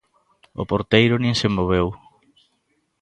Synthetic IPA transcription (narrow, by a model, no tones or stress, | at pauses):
ʊ̰poɾt̪ejɾʊnĩŋsemoβ̞ew